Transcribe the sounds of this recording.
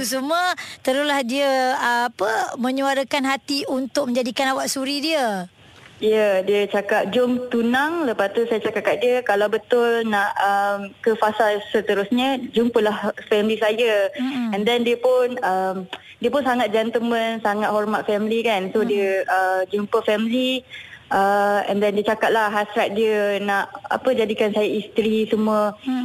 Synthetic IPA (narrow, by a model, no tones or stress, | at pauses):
t̪us̬umət̪əɾʊslahdiəapəmə̃ɲuaɾəkanɦat̪iunt̪ʊk̚məɲd͡ʒadikanawaʔsuɾidiə | ijədiət͡ʃakat̚d͡ʒʊmt̪unaŋləpast̪usajat͡ʃakaʔ̚kap̚diəkalawbət̪ʊlnaʔəmkəfasalsət̪əɾʊsɲad͡ʒumpəlahfɛmilisajəɛ̃ndɛndiəpʊnəm | diəpʊnsaŋat̪̚d͡ʒɛnt̪əmənsaŋat̪̚hɔrmat̪̚fɛmlikansodiəəd͡ʒumpəfɛmli | əɛ̰̃ndɛndiət͡ʃakat̪̚laɦasɾat̪̚diənaʔa̰pəd͡ʒadikansajaist̪ɾisəmũə